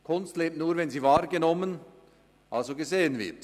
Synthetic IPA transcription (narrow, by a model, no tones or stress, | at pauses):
kʰʊnstleːp̚tnuːʁvɛnziːvaːʁɡənɔmən | ʔalzoɡəzeːənvɪ̰ɐt